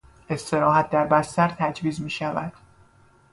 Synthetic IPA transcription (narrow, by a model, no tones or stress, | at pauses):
ʔe̞st̪e̞ɾɒːɦæt̪̚ʰd̪æɾbæst̪æɾt̪ʰæd͡ʒviːzmiːʃævæ̰d̪̥